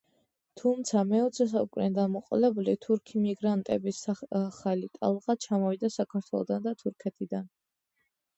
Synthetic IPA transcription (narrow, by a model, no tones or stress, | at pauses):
t̪ʰumt̪sʰamɛɔt̪sʰɛs̬aukʼnɛd̪amɔqʼɔlɛbulit̪ʰuɾkʰimiɡɾant̪ʼɛbisaχalit̪ʼa̰lˠʁat͡ʃʰamɔvid̪asakʰaɾt̪ʰwɛlˠɔ̰d̪and̪at̪ʰuɾkʰɛt̪ʼid̪an